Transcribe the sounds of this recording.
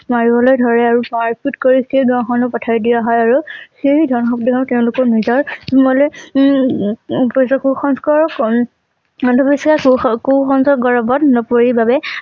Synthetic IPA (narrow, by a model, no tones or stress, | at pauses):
maɹibɔlojdʱɔɹɛaɹumaɹpʰutkoɹisejɡãw̃xʰɔnɔpɔtʰaɹidijaɦɔjaɹuseɹidʱɔnxɔp̚dikʰãʊ̃tɛʊ̃lʊkɔɹnizɔɹmɔle | psɔkuxɔnskɔɹɔk | ɔndʱɔbisakkoxɔnsɔɡɔɹɔbɔtnɔpoɹibabɛ